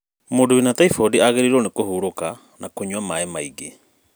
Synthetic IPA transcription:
moːndowinataifodiaɣeɾiɾonekohuːɾoka | nakoɲwamaemaiɡe

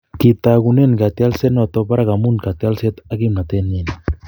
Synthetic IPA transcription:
kit̪aɣunenɡat̪ialsenot̪opaɾaɡamunkat̪ialset̪aɡimnat̪enin

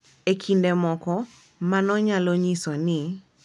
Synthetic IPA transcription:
ekʰindɛmɔkɔ | manɔɲaloɲisɔnɪ

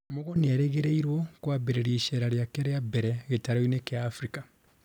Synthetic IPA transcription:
moɣonieɾeɣeɾeiɾwokwabeɾeɾiːʃeɾaɾjakeɾejabeɾeɣetaɾoinekeaːfɾika

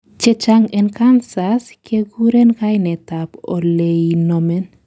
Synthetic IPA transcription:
t͡ʃet͡ʃaŋenkansaskʰeɡuɾenkajnetapo̰lejnomen

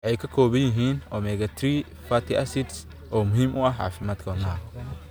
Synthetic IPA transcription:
ʕɛjkʰɐkʰɔːβɐjɪɦiːnɔːmɛɣɐt̪ʰɾi | fɐt̪ʰiʔɐsɪd̪s | ʔɔːmʊɦiːmʔʊɐħʕa̰ːfɪmaːd̪kʰɐnaː

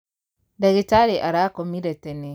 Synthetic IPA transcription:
daɡitaɾeʔaɾaːkɔmiɾɛtɛne

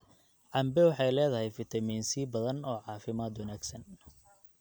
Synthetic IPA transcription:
ʕɑmbɛwɑħɑjlɛːðɐɦɛjfɪt̪ʰɐmiːnsiːbɐðɐnɔːʕɑːfɪmaːd̪wɐnaːɡsɐn

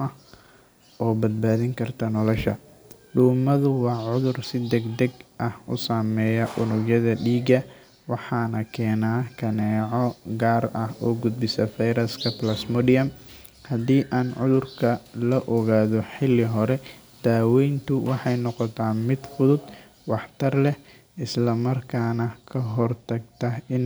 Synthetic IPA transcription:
ʔɐh | ʔɔːbɐd̪̚baːðɪŋkʰɐrt̪ʰɐnɔlɔʃɐ | ɖuːmɐðʊwɑːʕʊðʊrsɪd̪ɛɡd̪ɛɡʔɐhʔʊsaːmɛːjɐʔʊnʊɡjɐðɐɖiːɡɐ | wɑħɑːnɐkʰɛːnaːkʰɐnɛːʕɔɡaːrʔɐhʔɔːɡʊd̪̚bɪsɐfɛjɾɐskʰɐplɐsmɔdijɐm | hɐd̪iːʔaːnʕʊðʊrkʰɐlɔʔɔɣaːðɔħɪlɪɦɔɾɛ | d̪̥aːwɛjnt̪ʰʊwɑħɑjnɔqɔt̪ʰaːmɪd̪fʊðʊd̪ | wɑħt̪ʰɐrlɛh | ɪslɐmɐrkʰaːnɐkʰɐɦɔrt̪ʰɐɡt̪ʰɐɪn

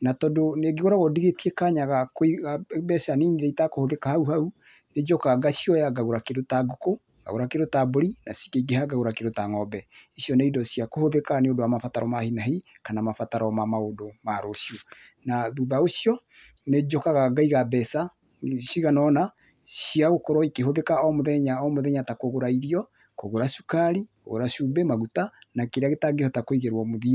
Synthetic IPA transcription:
natɔdoneɡeɣoɾaɣɔdiɣetiekaɲaɣakiɣabɛsaniniɾeitakohoðekahauhau | ned͡ʒɔkaɣaɡaʃiɔjaɡaɣoɾakedotaɡoko | ɡa̰ɣoɾakeɾotaboɾinasi̥keiɡehaɡaɣoɾakedotaŋɔbɛesjɔneidɔsijakohoðekaneodowamafataɾɔmahinaɦi | kanamafataɾɔmamaodomaɾoʃju | naðuðaosjɔ | ned͡ʒɔkaɣaɡaiɣabɛsa | siɣanɔna | siaɣokɔɾɔikeɦoðekaɔmoðɛɲaɔmoðɛɲatakoɣoɾaiɾiɔ | koɣoɾasukaɾiko̰ɣo̰ɾaʃubɛmaɣutanakeɾeaɣetaɡehɔtakoiɣeɾwɔmoði

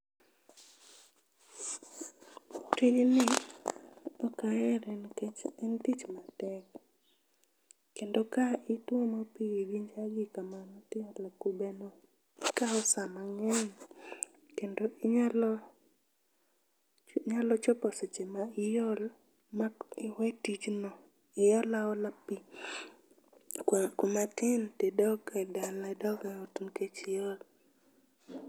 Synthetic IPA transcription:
tilinɪ | ɔkajɛɾnɛntit͡ʃmatɛk | endokaɪtwɔmapiiɡɪɲd͡ʒaɡɪkamanɔtɪalakubɛnɔ | kaɔsamaŋɛŋ | kendoɪɲalɔ | ɲalɔt͡ʃɔpɔsɛt͡ʃɛmaɪjɔl | mawɛtit͡ʃnɔ | ɪjɔlaɔlapːi | kʊmatɪntedɔɡadalɛdɔɡaotunket͡ʃɪjɔl

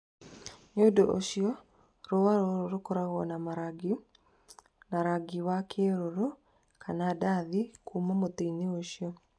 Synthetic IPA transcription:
ɲodoʔoʃjɔ | ɾowaɾoɾoɾokoɾaɣɔnamaɾaɡi | naɾaɡiwakʰeɾoɾo | kʰanadaðikʰumomot̪eineoʃjɔ

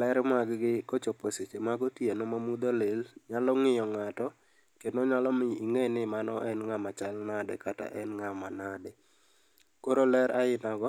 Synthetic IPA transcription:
lɛɾmaɡɡɪkot͡ʃoposet͡ʃemaɡɔtjenomamud̪olelɲalɔŋɪjɔŋatɔ | kednoɲalɔmɪiŋenɪmanɔʔɛnŋamat͡ʃalnadɛkata̰ʔɛnŋamanadɛ | koɾolɛɾaɪnaɡɔ

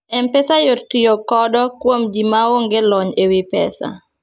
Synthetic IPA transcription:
ɛmpɛsajottijokɔdɔkwomd͡ʒimaoŋɡelɔɲewɪpɛ̰sa̰

